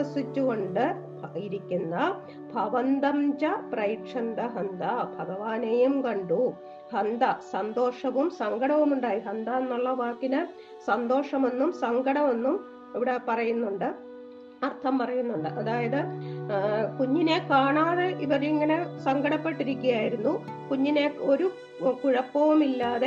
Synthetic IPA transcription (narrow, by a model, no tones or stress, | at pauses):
ɐsit͡ɕːuɣo̞ɳɖɨ | iɾikʲːunːɐ | bʱɐʋɐnd̪ɐmd͡ʑɐprɐjikʂɐnd̪ɐɦɐnd̪ɐbʱɐɡɐʋaːnejumkɐɳɖu | hɐnd̪ɐsɐnd̪o̞ːʂɐʋumsɐŋɡɐɽɐʋumuɳɖaːjiɦɐnd̪ɐenːuɭːɐʋaːkːinɨ | sɐnd̪o̞ːʂɐme̞nːumsɐŋɡʱɐɽɐme̞nːum | iʋiɽe̞pɐrɐjunːuɳɖɨ | ɐrt̪ʰɐmpɐrɐjunːuɳɖɨʔɐðaːjɐðɨ | kuɲːine̞kaːɳaːðeʔiʋɐɾiŋːɐne̞sɐŋɡʱɐɽɐpːe̞ʈːiɾikʲːɐjaːjiɾunːukuɲːine̞o̞ɾu | kuɻɐpːɐʋumilːaːðe